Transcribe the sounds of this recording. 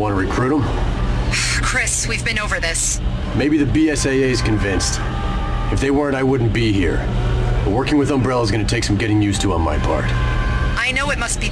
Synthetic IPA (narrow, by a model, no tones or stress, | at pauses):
wɑ̃nəɹɨkʰɹ̥ʉɾə̃m | kʰɹ̥ɪswivbɨ̃noʊvə˞ðɪs | meɪbiðɨbiɛseɪeɪɨz̥kɨ̃ɱvɪ̃nst | ɨfðeɪwɜ˞ə̃ntaɪwʊdⁿn̩b̥iɦḭɹ | bʌwɜ˞kɪ̃ŋwɨðʌ̃mbɹɛlˠəzɡʌnɨtʰeɪksʌ̃m̩ɡɛɾɪ̃ŋjʉstʰəə̃nma̰ɪpʰɑ̰ɹt | ʔaɪnoʊɨt̚mʌst̚b̥i